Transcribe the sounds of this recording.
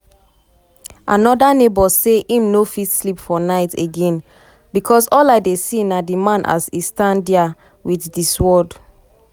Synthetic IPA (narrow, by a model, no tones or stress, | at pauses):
ʔanɔdanebɔseʔĩmnofitslipfɔnaɪteɡɛ̃n | bikʰɔsɔlaɪdesinadimãnʔa̰sistãndɛa | wiθdiswɔd